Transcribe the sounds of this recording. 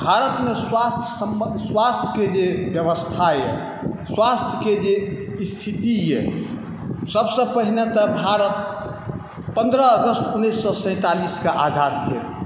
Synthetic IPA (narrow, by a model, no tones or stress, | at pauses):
bʱaɾət̪meswast̪ʰjəsəmswast̪ʰjəked͡ʒebjəβəst̪ʰajɛ̰ | swast̪ʰjəked͡ʒeist̪ʰit̪ijɛ̰ | səbsə̃pəɦinet̪əbʱaɾət̪̚ | pənd̪ɾəːɡəst̪ʰunːisːɔsə̃ɪ̃t̪aliskeʔad͡ʒ̪ʱat̪ɡḛ